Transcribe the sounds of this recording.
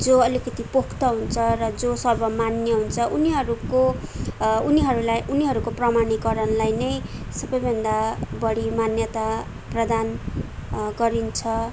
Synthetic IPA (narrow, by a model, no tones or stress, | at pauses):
d͡zoʌlikʌt̪ipokʰt̪ʌɦunt͡sʰʌrʌd͡zosʌrbʌmanjʌɦunt͡sʰʌʔuniɦʌɾuko | uniɦʌɾulajʔuniɦʌɾukoprʌmanikʌɾʌnlajnʌjsʌbʌjbʱʌnd̪abʌɽimanjʌt̪a | prʌd̪an | ɡʌɾint͡sʰʌ